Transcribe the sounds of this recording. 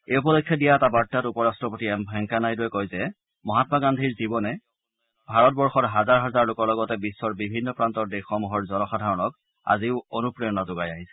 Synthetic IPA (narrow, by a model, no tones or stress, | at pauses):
eupɔdɔkʰːjɔdijaɛtabaɹtːatupɔɹastɹɔpotiɛmbʱɛŋkanajduɛkojzɛ | mɔɦatmaɡandʱiɹzibɔnɛ | bʱaɹɔt̚bɔɹxɔɹɦazaɹɦazaɹlʊkɔɹlɔɡɔtɛbisːɔɹbibʱinːɔpɹantɔɹdɛxɔmuɦɔɹzɔnɔxadʱaɹɔnɔk | a̰ziʊonupɹijɔnazʊɡajaɦisɛ̥